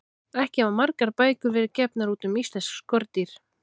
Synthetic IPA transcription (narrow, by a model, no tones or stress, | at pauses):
ɛhcɪɛvamaɾkaɾpaːjkʏɾvɪɾɪɾcɛpnaɾuːt̪ʏmist̪ɛsskɔɾt̪iɾ̥